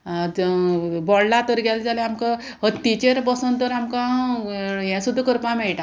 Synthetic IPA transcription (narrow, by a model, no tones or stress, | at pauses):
bɔɽlat̪əɾɡɛld͡zaleamka | ɦət̪ːit͡ɕeɾbəsunt̪əɾamkã | jɛ̃sud̪ːukəɾpãmɛɭʈa